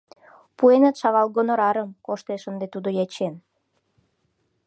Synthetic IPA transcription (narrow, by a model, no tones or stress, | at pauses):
puenət̪ʃɑɣɑlɣonŏɾɑɾəmkoʃt̪eʃənd̪et̪ud̪ojɑt͡ɕen